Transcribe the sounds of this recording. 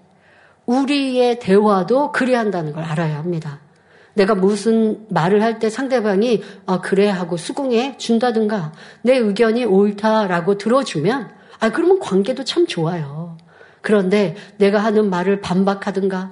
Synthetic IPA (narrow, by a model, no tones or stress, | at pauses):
uɾie̞te̞wadokɯɾiɦandanɯnɡʌɾaɾajohamɲida | ne̞ɡamusʰɯnmaɾɯɭhaɭt͈e̞sʰaŋde̞baŋiakɯɾe̞ɦaɡosʰuɡuŋe̞t͡ɕundadɯnɡane̞ɯɡjʌɲioiɭtʰaɾaɡotɯɾʌd͡ʑumjʌn | akɯɾʌmʌnkwaŋɡe̞dot͡ɕʰamt͡ɕoajo | kɯɾʌnde̞ne̞ɡaɦanɯnmaɾɯɭpambakʰadɯnɡa